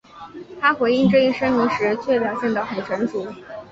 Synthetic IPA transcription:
t̪ʰa˥xwe˧˥ɪi˥˧ŋʈ͡ʂɤ˥˧i˥˩ʂə˥nmi˧˥ŋʂɻ̩˧˥t͡ɕʰɥɛ˥˩pjɑ˨˩ʊt͡ɕjɛ˥˧nd̪ɑ˥˩xə˨˩nʈ͡ʂʰə˧˥nʈ͡ʂu˧˥

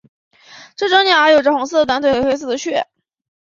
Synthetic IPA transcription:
ʈ͡ʂɤ˥˩ʈ͡ʂɤ˥ŋnja˨˩ə˧˥jo˨˩ʊʈ͡ʂɤ˥xʊ˧˥ŋs̬ɹ̩˥˩ə˩wa˥nt̪we˥˩˥xe˥ɪs̬̩˥˩d̪ə˩ɕʰɥɛ˥˩

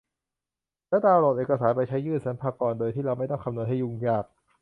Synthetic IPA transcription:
lɛː˦˥˩daː˧wɾoː˨˩t̪̚eː˨˩ka˧saː˩˦npa˧jt͡ɕʰa˦˥jːɯː˥˩nsa˩˦npʰaː˧kɔː˨˩ndoː˧jt̪ʰiː˥˩ɾa˧wma˥˩jt̪ɔ˥˩ŋkʰa˧nu˧ənɦa˥˩ju˧ŋjaː˧˩k̚

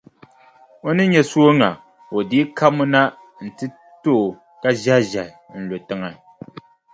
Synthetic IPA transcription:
o˦nɨ˦ɲɛ˨su˦o˦ŋa˨ | o˨diː˦kʰa˦mu˦na˦ | n̩˨tɨ˦ | to˦˨ | ka˦ʒa˦ʒa˨n̩˨lo˨tɨ˦ŋa˨

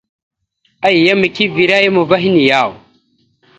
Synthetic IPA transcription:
a˦jja˦mə˨ki˦vi˨ɾa˦ja˦mo˨va˦ɦi˦ni˨jaː˦˨w

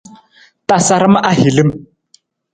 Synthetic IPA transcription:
ta˨sa˨ɾɪ˦ma˦ʔa˦ɦi˨lɪ˦m˨

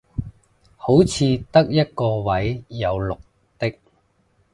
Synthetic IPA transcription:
ho˨˥wt͡sʰiː˧t̪ɐ˥k̚jɐ˥t̚kɔː˧wɐ˨˥jːɐ˨˧wlʊ˨k̚ | t̪ɪ˥k̚

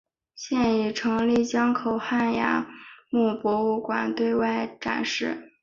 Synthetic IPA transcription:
ɕjɛ˥˧ni˨˩ʈ͡ʂʰɤ˧˥ŋli˥˩t͡ɕjɑ˥ŋkʰo˨˩ʊxa˥˩nja̰˧˥mu˥˩pwɔ˧˥u˥˩kwa˨˩nt̪we˥˧ɪwa˥˩ɪʈ͡ʂa̰˨˩nʂɻ̩˥˩

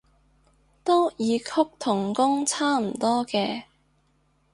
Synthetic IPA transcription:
t̪o˥jiː˨˧kʰʊ˥k̚t̪ʰʊ˨˩ŋkʊ˥ŋt͡sʰaː˥m̩˨˩t̪ɔː˥kɛː˧

